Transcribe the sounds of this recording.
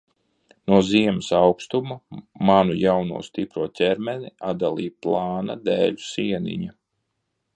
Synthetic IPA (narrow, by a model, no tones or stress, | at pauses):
nuɔziɛmɪsawkst̪umamanujawnṵɔst̪ipɾuɔt̪ʲɛɾmɛniad̪alˠḭːplˠaːna̰d̪ɛːʎu̥siɛnḭɲa